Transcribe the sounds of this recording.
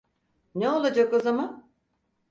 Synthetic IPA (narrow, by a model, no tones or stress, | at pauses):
neo̞lˠad͡ʒako̞zaman